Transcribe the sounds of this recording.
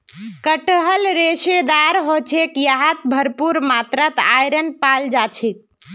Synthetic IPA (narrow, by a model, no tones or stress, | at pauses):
kəʈəɦəlɾesed̪aɾɦot͡ʃʰekjaɦat̪bʱəɾpuɾmat̪ɾət̪ajɾənpald͡ʒat͡ʃʰi